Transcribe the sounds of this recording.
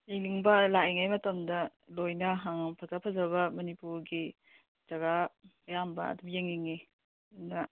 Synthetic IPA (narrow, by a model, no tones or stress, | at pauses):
jeŋliŋbɐlaeŋajmɐtɐmdɐlojnɐɦaŋpʰɐzapʰɐzɐβɐmɐnipuɾɡi | d͡ʒɐɡaɐjambɐ̰ɐ̰dubjeŋliŋi | nɐ